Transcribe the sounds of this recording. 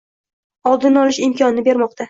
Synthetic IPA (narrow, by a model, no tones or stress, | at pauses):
ɒlˠd̪ɪnɒlˠɪʃɪmkʲʰɒnɪnɪbe̞ɾmɒqt̪ʰa